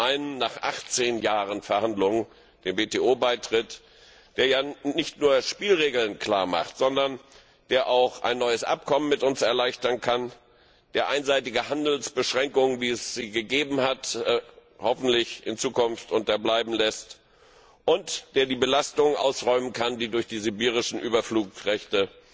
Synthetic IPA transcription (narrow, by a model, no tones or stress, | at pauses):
ʔaɪnənːaːχʔa̰χt͡seːnjaːʁənfɛɐhandlʊŋ | d̥eːnveːteːoːbaɪtʁ̥ɪt | d̥eːɐjaːnɪçtnuːɐʃpiːlʁeːɡl̩nkl̥aːɐma̰χtz̥ɔndɐn | d̥eːɐʔaʊxʔa̰ɪnːɔʏəsʔa̰p̚kʰɔmənmɪtʊnsɛɐlaɪçtɐnkʰan | d̥eːɐʔaɪnzaɪtɪɡəhandl̩sb̥əʃʁ̥ɛŋkʊŋənviːɛsz̥iːɡəɡeːbm̩hat | hɔfn̩tlɪçʔɪnt͡suːkʊnftʔʊntɐblaɪbm̩lɛst | ʔʊntd̥eːɐdiːbəlastʊŋənʔa̰ʊsʁɔʏmənkʰandiːdʊɐçd̥iːzybiːʁ̞ɪʃn̩ʔyːbɐfluːkʁɛçtə